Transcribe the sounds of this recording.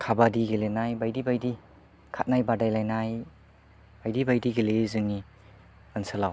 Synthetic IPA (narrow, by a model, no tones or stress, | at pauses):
kʰabadiɡelenajbajdibajdi | kʰat̚najbadajlajnaj | bajdibajdiɡelezɯŋi | ansɯlaw